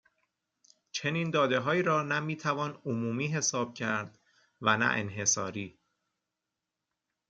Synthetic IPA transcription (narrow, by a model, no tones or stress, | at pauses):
t͡ʃʰe̞niːnd̪ɒːd̪e̞ɦɒːiːɾɒːnæmiːt̪ʰævɒːnomuːmiːɦe̞sɒːb̥̚cʰæɾd̪̥ | vænæ̰ʔḛnɦe̞sɒ̰ːɾiː